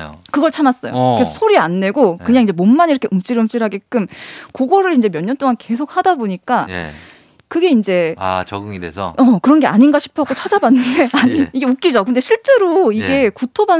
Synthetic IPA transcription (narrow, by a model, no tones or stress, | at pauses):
kɯɡʌɭt͡ɕʰamas͈ʌjo̰kessʰoɾianːe̞ɡokɯɲaŋiɲd͡ʑe̞momːaniɾʌkʰeɯmt͡ɕ͈iɾɯmt͡ɕ͈iɾɦaɡek͈ɯmkoɡʌɾɯɭind͡ʑe̞mjʌɲɲʌnt͈oŋanke̞sʰok̚hadaboɲik͈aj̰ | kɯɡe̞ind͡ʑe̞a̰t͡ɕʌɡɯŋidḛsʰʌ̰ʌkɯɾʌnɡe̞aɲinɡaɕʰi̥pʰaɡot͡ɕʰad͡ʑabanːɯnde̞aɲiiɡe̞ok͈id͡ʑokɯnde̞ɕʰiɭt͡ɕ͈e̞ɾoiɡe̞kutʰoba